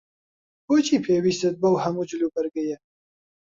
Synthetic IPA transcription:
boːt͡ʃʰiːpʰeːwiːst̪ɨt̪̚bɐwhɐmuːd͡ʒɨluːbɐɾɡɐjɐ

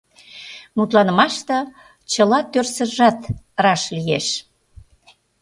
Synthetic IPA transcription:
mut̪lɑnə̆mɑʃt̪ə̆ | t͡ɕəlɑt̪ørsə̆ʒɑt̪ | ɾɑʃlijeʃ

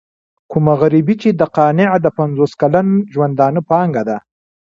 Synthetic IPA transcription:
kumaɣaɾibit͡ʃed̪əqɑnɪʕd̪əpanzoskalanʒwand̪ɑnəpɑŋɡad̪a

